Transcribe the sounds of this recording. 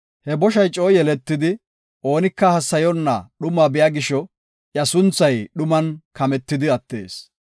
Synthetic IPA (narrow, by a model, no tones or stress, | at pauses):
hɛbɔʃɐjt͡ʃʼo̞ːjɛlɛt̪ːɪd̪ɪ | o̞ːnɪkːɐhɐsːɐjɔnːɐ̰ɗʊmɐbɪjaːɡɪʃɔ | ʔjɐsʊnt͡sːɐjɗʊmɐnkɐmɛt̪ːɪd̪ɪɐt̪ːe̞̰ːs